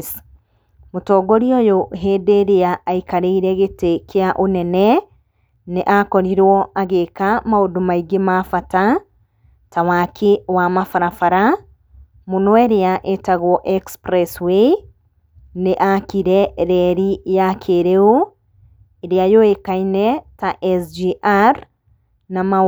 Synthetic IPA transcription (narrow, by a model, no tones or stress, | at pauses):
s | motɔːɡɔɾiojoɦedeɾeaːikaɾeiɾɛɣetekeaʔonɛnɛ | neʔakɔɾiɾwɔaɣekamaodomaiɡemafata | tawakʰewamafaɾafaɾa | munɔeɾeaʔetaɣwɔʔɛkspɾɛswe | neʔakiɾɛɾɛɾijakʰeɾeo | eɾeajoekainɛtaʔɛsd͡ʒiʔaɾ | nama